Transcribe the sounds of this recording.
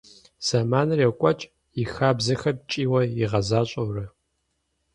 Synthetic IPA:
z̥amaːnɨrekʷʼɔt͡ʃʼ | jɪxaːbzɐxɐrt͡ʃʼiːwɐjiʁɐzaːɕʼɐwrɐ

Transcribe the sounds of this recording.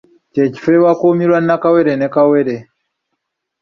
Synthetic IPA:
ceci̥fewakomiɾwannakaweɾenekaweɾe

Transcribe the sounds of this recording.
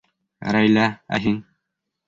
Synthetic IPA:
ɾæjlææ̰ɦiŋ

